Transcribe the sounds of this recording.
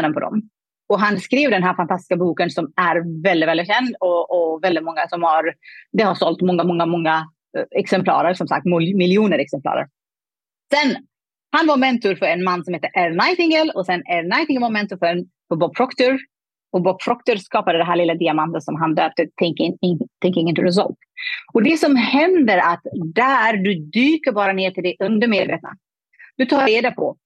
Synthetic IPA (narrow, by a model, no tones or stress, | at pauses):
nd̪ənpʰɔd̪ɔ̰m | ɔɦanskɾeːvd̪ɛnɦæːɾfant̪ʰast̪ɪ̥skabuːkənsɔmæɾvɛld̪ɪt̪vɛlɪt̪̬ɕɛnd̪ɔɔvɛld̪ɪt̪mɔŋːasɔmhaɾd̪ɛhaʂɔlt̪mɔŋːamɔŋːamɔŋːa | ɛksɛmpʰlɑ̰ːɾəɾsɔmsa̰k̚t̪mmɪlːɪuːnəɾɛksɛmplɑ̰ːɾə̰ɾ | sɛn | hanvamɛnt̪ʊɾfœɾɛnmanːsɔmheːt̪ːəɾʔɛɾnajt̪ɪŋəlɔsɛnɛnajt̪ɪŋəlvaɾmɛnt̪ʊɾfœɾɛn | fɔbɔbpʰːɾɔkt̪ʊɾ | ɔbɔbʰɾɔk̚t̪ʊɾskɑːpad̪əd̪ɛɦæːɭɪlːad̪ɪamant̪ət̪sɔmɦand̪øːp̚t̪ət̪ʰɛŋkt̪ʰɛŋkːɪŋːənt̪ɪɾɛs̬ɔ̰lt̪ɔd̪ɛsɔmhɛnd̪əɾat̪d̪æːɾɖ̪ɵd̪yːkəɾbɑːɾaneːʈʰɪld̪ɛʔɵnd̪əmeːd̪vḛːt̪na̰ | d̪̥ɵt̪ʰɑːɾeːd̪apʰɔ